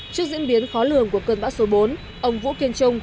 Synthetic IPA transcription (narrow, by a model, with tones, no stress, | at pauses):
t͡ɕɨ˦˥ək̚zḭ˧˥nɓi˨˦ənxɔ˨˦lɨ˨˩əŋku˧˩əkə˧˩nɓa̰ː˧˥wso˨˦ɓo˨˦n | ʔə˧˩wŋ͡mvṵ˧˥ki˧ənt͡ɕʊ˧ŋ͡m